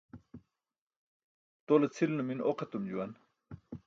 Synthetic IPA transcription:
t̪olet͡sʰilnuminʔoqɐt̪umd͡ʑuwɐn

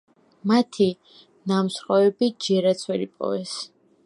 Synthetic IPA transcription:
mat̪ʰi | namsχʼɔɛbid͡ʒɛɾat̪sʰwɛɾipʼɔ̰vɛs

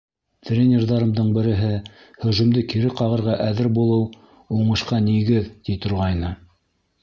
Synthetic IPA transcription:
t̪rʲenʲerðɑɾɤ̆md̪ɤɴbɘ̆ɾɘ̆ɦɘ | hɵ̆ʒɵ̆md̪ɘkiɾɘqɑʁɤ̆ɾʁɑʔæðɘɾbulˠɤw | uɴɤ̆ʃqɑniɡɘðt̪it̪ŏɾʁɑjnɤ

